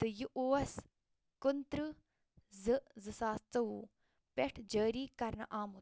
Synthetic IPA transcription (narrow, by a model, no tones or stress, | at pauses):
t̪ɨjiʔoːɐs | kunt̪ɾɨ | zɨzɨsaːst͡sɐu | pʲeʈʰd͡ʒəːɾiːkɐɾnɐ̰ʔaːmu